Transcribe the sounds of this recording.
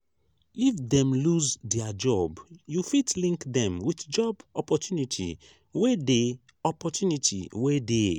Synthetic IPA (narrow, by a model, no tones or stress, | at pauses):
ifdɛ̃mluzdɛad͡ʒɔbjufitlĩŋkdɛ̃mwitd͡ʒɔbɔpɔtjunitʰḭ | wede | ɔpɔtjunitʰḭwede